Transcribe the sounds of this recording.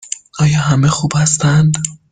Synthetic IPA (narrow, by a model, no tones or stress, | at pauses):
ʔɒːjɒːɦæmexuːb̥hæst̪ænd̪